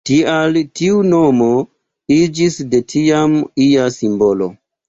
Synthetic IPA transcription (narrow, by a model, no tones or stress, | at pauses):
tialtiunomo | id͡ʒisde̞tʰiamiasimbo̞lo̞̰